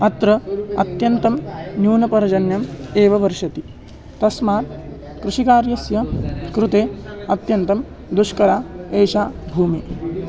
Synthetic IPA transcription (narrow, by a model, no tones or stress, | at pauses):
ɐt̪ɾɐɐ̰t̪jɐnt̪ɐmnjuːnɐpɐɾɐd͡ʒɐnjɐmeːʋɐʋɐɾʃɐt̪i | t̪ɐsmaːt̪ | kɾuʃikaːɾjɐsjɐkɾut̪eːɐt̪jɐnt̪ɐm | d̪uʃkɐɾaːeːʃaːbʱuːmi